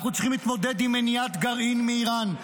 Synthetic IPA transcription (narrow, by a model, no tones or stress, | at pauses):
χnut͡si̥χimliːt̪mo̞d̪ed̪imenijat̪ɡaʁinmeiʁan